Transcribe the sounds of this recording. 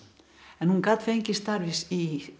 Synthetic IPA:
ɛnhũŋkat̪feŋkist̪aɾʋisi

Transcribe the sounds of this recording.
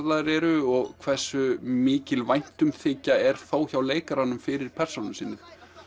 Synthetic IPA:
laðɾɛɾʏɔɣkʰvɛ̥sːʏmɪːcɪlvajn̥t̪ʏmθɪːcaɛɾ̥θaːwçawleːjkaɾanːʏmfɪɾɪɾ̥pʰɛr̥sownɪsiːnːʏ

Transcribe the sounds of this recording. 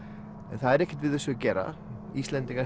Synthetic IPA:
ɛnθaðɛɾɛhcɪ̥t̪vɪðɛsːʏcɛːɾa̰ | ist̪lɛnt̪iŋka

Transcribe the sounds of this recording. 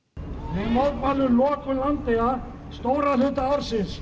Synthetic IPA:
hɛnmawðvaːlʏlɔːkʏlant̪ea | st̪oːwɾalʏt̪aaɾsɪns

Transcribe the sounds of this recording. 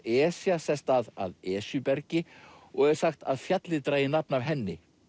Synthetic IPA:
ɛːsjasɛst̪aða̰ðɛːsjʏpɛɾcɪ | ɔɣɛɾ̥saxt̪aðfjat̪lɪt̪ɾajɪnap̚navɦɛnːɪ

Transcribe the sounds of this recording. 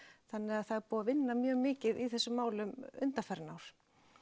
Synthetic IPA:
θanːɪaðθaðɾpɔːavɪnːamjœːɣmɪːcɪðiθɛsːʏmːaːwlʏmʏnt̪afɛɾnawɾ̥

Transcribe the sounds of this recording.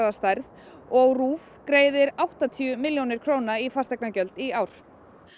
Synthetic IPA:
ast̪ajɾð | ɔɣruːf | kɾeːjðɪɾawht̪at̪ʰiʏmɪljownɪɾ̥kʰɾoːwnaifast̪ɛknacœlt̪iaːwɾ̥

